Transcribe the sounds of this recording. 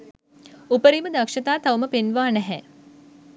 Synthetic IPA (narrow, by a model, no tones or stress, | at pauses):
upəɾiːməd̪ɐkʃɐt̪aːt̪ɐwməpenʋaːnɛɦɛ